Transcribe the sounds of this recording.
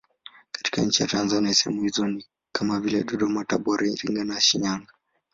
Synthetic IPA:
kḁti̥ka̰ɲ̩t͡ʃija̰tanzaniaɛsɛhɛmuhizɔni | kʰamavilɛɗɔɗɔmataɓɔɾʔailiŋɡanaaʃiɲaŋɡa

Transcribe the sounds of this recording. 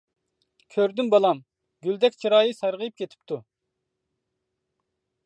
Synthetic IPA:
kʲʰøɾd̪ymbɑlˠɑm | ɡʲyld̪ɛkʲt͡ʃʰiɾɑːjisɑɾʁɨjip̚kʲʰet̪ʰɪ̥p̚t̪ʰu

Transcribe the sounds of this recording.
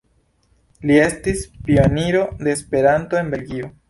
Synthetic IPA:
lie̞stispio̞niɾo̞de̞ːspe̞ɾanto̞e̞nbe̞lɡio

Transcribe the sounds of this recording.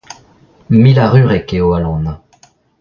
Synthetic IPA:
milaʁyʁɛkeoalɔ̃na

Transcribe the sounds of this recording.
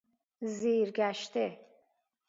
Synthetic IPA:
ziɾɡæʃt̪ʰi

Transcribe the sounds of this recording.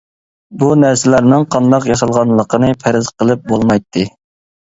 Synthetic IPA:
bunæɾsɪlæɾnɪŋqʰɑnd̪ɑqjɑsɑlˠʁɑnlˠəqʰənɨpʰæɾɪzqəlˠɨp̚bolˠmɑjt̪ʰːɨ

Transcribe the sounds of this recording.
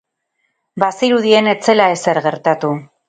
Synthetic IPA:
basiɾuðie̞ne̞t͡se̞lae̞se̞ɾɣe̞ɾt̪at̪u

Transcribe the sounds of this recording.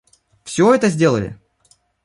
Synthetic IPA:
fsʲoɛt̪əzʲdʲe̞lˠəlʲɪ̰

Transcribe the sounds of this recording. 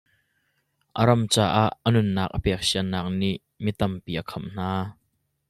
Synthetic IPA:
ʔəɾɐmt͡saːʔaʔːənunːaːk̚ʔəpɛːk̚siənaːk̚niʔ | mit̪ɐmpiʔəkʰɐmn̥aː

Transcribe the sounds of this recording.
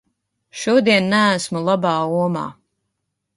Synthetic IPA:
ʃuɔd̪iɛnːææsmulˠabaːuɔma̰ː

